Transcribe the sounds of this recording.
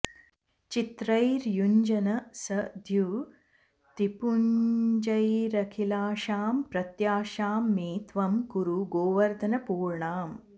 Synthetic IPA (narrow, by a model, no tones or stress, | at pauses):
t͡ʃit̪ɾɐjɾjuɲd͡ʒɐnɐsɐd̪ʱju | t̪ipuɲd͡ʒɐjɾɐkʰilaːʃaːmpɾɐt̪jaːʃaːmːiːt̪ʋɐmɡuɾuɡoːʋɐɾd̪ʱɐnɐpuːɾɳaːm